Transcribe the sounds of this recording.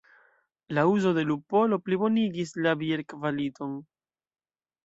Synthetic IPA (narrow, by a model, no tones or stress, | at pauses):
lauzo̞de̞lupo̞lo̞plibo̞niɡislabieɾkvalito̞n